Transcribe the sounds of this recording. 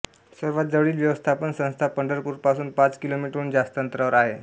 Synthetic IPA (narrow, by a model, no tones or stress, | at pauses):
səɾʋat̪̚d͡zəʋɭiːlʋjəʋəst̪ʰapənsə̃st̪ʰapəɳɖəɾpuːɾpasuːnpat͡skilomiʈɾuːnd͡zast̪ənt̪ɾaʋəɾaɦe